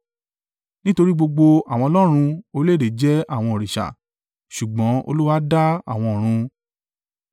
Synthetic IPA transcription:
nĩ˦to˧ɾi˦ɡ͡bo˧ɡ͡bo˧a˨w̃ɔ̃˧ɔ˧lɔ˦ɾ̃ũ˧o˧le˦˨e˨d͡ʒɛ˦a˦˨w̃ɔ̃˧o˨ɾi˨ʃa̰˨ | ʃu˨ɡ͡bɔ̃˨˦o̰˧lu˦wa˦da˦a̰˦˨w̃ɔ̃˧o˨ɾ̃ũ˧

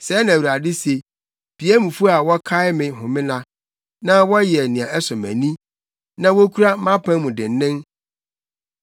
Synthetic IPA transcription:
sɛː˦nã˨wu˨ɾa˨dɪ˦se˨ | b̥i˨æ˦mũ˨fu˦a˨wɔ˦kʰa˦ɪ˦mɪ̃˨ɦʊ̃˨mɪ̃˦nã˨ | nã˦wɔ˦jɛ˨nĩ˨ã˨ʔɛ˦sʊ˨mæ̰̃˨nĩ˦ | nã˦wo˦kʰu˦ɾa˦mã˦pʰã˦nmʊ̃˨dɪ̃˨n˨˦nɪ̃˦ŋ

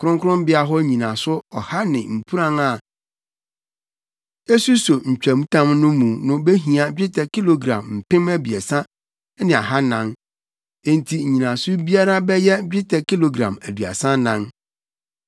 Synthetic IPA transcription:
kʰʊ˦ɾʊ̃˦ŋkʰʊ˦ɾʊ̃˦m˦bɪ˦a˦ɦɔ˦ɲĩ˨nã˨sʊ˦ɔ˨ha˦nɪ̃˨m̩˨pʰu˦ɾã˦ŋa˨ | e˦su˦so˨ɲ̩˨t͡ɕᶣæ˨mũ˦tʰã˦mnʊ̃˦mũ˨nʊ̃˦be˦ɦĩ˨a˨d͡ʑᶣɪ˦tʰɛ˨kʰi˦lo˨ɡɾã̰˨mm̩˨pɪ̃˦mæ˦bi˨ɛ˨sã˦ | nɪ̃˨a̰˨ɦa˦nã˦n | ẽ˦˨n˨tʰi˨ɲĩ˨nã˨sʊ˦bi˦a˦ɾa˦bɛ˦jɛ˦d͡ʑᶣɪ˦tʰɛ˨ki˦lo˨ɡɾã̰˨mæ˨dɥa̰˨sã˦nã˦ŋ

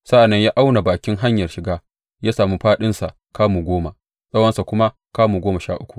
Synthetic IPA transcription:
sa˦ʔa˨nːɐ˦ɲjaː˦ʔa˦wna˨baː˨kʲɪ˦ŋɦa˦ɲjɐ˨rʃɪ˨ɡaː˦ | jaː˦saː˨mu˦ɸaː˦ɗɪ˦nsa˨ʔ | kaː˦mu˨ɡʷoː˦ma˨ | sʼɐ˦wɐ˦nsa˨kʷʊ˦ma˦ | kaː˦mu˨ɡʷoː˦mɐ˨ʃaː˦ʔʊ˦kʷu̥˨ʔ

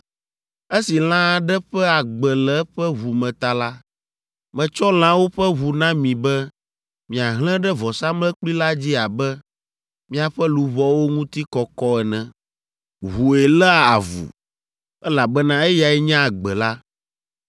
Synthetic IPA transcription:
e˦si˨l̃ã˦ɖɛ˦ɸɛ˦a˨ɡ͡bɛ˨lɛ˨˦ɸɛ˦βu˨mɛ̃˨t̪a˨la˦ | mɛ̃˨t͡ʃɔ˦l̃ã˦wo˦ɸɛ˦βu˨nã˦mĩ˨bɛ˦ | mĩ˨a˨ɦl̃ɛ̃˦ɖɛ˦vɔ˨sa˦mlɛ̃˦k͡pli˦la˦d͡ʑi˦a˨bɛ˦ | mĩ˦a˨ɸɛ˦lu˨βɔ˦wo˦ŋũ˦t̪i˦kɔ˨kɔ˦ɛ˨nɛ̃˨ | ɦu˨ɛ˨lɛ˦a˨a̰˨vṵ˨ | ɛ˦la˨bɛ˦nã˦ɛ˦ja˨ɛ˦ɲã˦a˨ɡ͡bɛ˨la˦

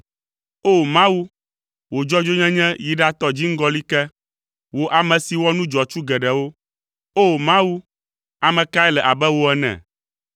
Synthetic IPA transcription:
o˦˨mã˦wu˦ | wo˨d͡ʒɔ˦d͡ʒo˦ɲɛ̃˦ɲɛ̃˦ji˨ɖa˦t̪ɔ˦d͡ʑi˦ŋ̩˦ɡɔ˦li˦kɛ˦ | wo˦ʔa˨mɛ̃˨si˨wɔ˦nũ˦d͡ʒɔ˨t͡ʃu˦ɡɛ˨ɖɛ˨wo˦ | o˦˨mã˦wu˦ | a˨mɛ̃˨ka˦ɛ˦lɛ˨ʔa˨bɛ˦wo˦ɛ˦nɛ̰̃˨

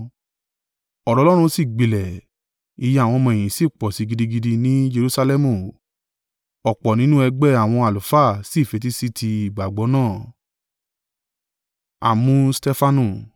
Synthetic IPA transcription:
ɔ˨ɾɔ˨˦lɔ˦ɾ̃ũ˧si˦˨ɡ͡bi˨lɛ˨ | i˨˧jɛ˧˦a˨w̃ɔ̃˧mɔ̃˧e˨j̃ĩ˨si˦˨k͡pɔ˨si˨˧ɡi˧di˧ɡi˧di˧nĩ˦d͡ʒe˧ɾu˦sa˧lɛ˦mũ˨ | ɔ˨k͡pɔ˨nĩ˨˦nũ˦ɛ˧ɡ͡bɛ˦a˨w̃ɔ̃˧a˨lu˨fa˦˨si˦˨fe˨˧t̬i˦si˦tʰi˧i˨ɡ͡ba˨ɡ͡bɔ˨˦nãː˦˨ | a̰˨mũ˦stɛ˦fa˧nũ˧˨

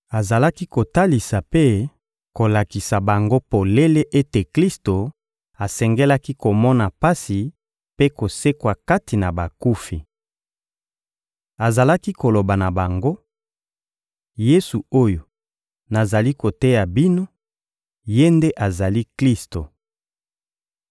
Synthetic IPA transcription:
a˨za˨la˦ki˦ko˨ta˦li˨sa˨pe˦ | ko˨la˨ki˨sa˨ba˨ŋɡo˦po˨le˦le˦ʔe˦te˨kli˦sto˨ | a˨sɛ˨ŋɡe˦la˦ki˦ko˨mɔ˦na˨pa˦si˨ | pe˦ko˨se˦kwa˨ka˦ti˨na˨ba˨ku˦fi˨ | a˨za˨la˦ki˦ko˨lo˨ba˨na˨ba˨ŋɡo˦ | je˦su˨o˦jo˨ | na˨za˨li˦ko˨te˦ja˨bi˦no˦ | je˦nde˦ʔa˨za˨li˦kli˦sto˨

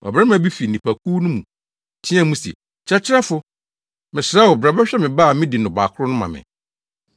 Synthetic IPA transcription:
ɔ̰˨bɾa˦m˦ã˨bi˦fi˨nĩ˨pʰa˨kʰu˦nʊ̃˦mũ˨ | tʰĩ˦ã˦mũ˦sɛ̰˨ | t͡ɕʰɛ˦t͡ɕʰɪ˦ɾa˦fʊ˨ | mɪ̃˨sɾa˦wɔ˨bɾa˨bɛ˦ɕᶣɛ˦mɪ̃˨ba˦˨mɪ̃˦di˨nʊ̃˨ba˨kʰʊ˦ɾʊ˦nʊ̃˦mã̰˨mɪ̰̃˨

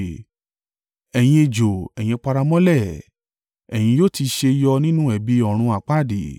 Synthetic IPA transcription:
ɛ˨j̃ĩ˧e˧d͡ʒo˨ɛ˨j̃ĩ˧k͡pa˧ɾa˧mɔ̃˦lɛ˦˨ | ɛ˨j̃ĩ˧jo˦˨ti˧ʃe˧i˧jɔ˧nĩ˦nũ˦ɛ˨bi˨˦ɔ˦˨ɾ̃ũ˧a˨k͡pa˦˨di˨

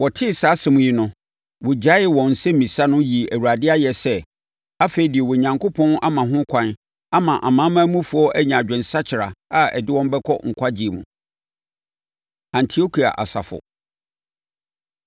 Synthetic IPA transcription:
wɔ˨tʰɪ˦saː˨˦sɛ˨mũ˨ji˨nʊ̃˦ | wʊ˨d͡ʑa˦ɪ˦wɔ̃˨n̩˨sɛ˦mĩ˨sa˦nʊ̃˦ji˨æ˨wu˨a˨dɪ˦a˦jɛ˨sɛ˦ | a˦fe˨i˨dɪ˨ɛ˨wɔ˨ɲã˨ŋkʰo˦pʰɔ̃˦nʔa˦mã˨ɦʊ̃˦kʰʷã˨n | a˦mã˨ʔa̰˨mã˨˦mã˦mũ˦fʊ˨ɔ˦ʔæ˦ɲã˨d͡ʑᶣɛ̃˨n˨sa˦t͡ɕʰɪ˨ɾa˨a˦ɛ̰˨dɪ˦wɔ̃˦m˦bɛ˦kʰɔ̰˦ŋ̩˨kʷʰa˦d͡ʑi˨e˨mṵ̃˨ | ã˨ntʰi˨o˦kʰi˨a̰˨ʔa̰˨sa̰˨fʊ̰˨

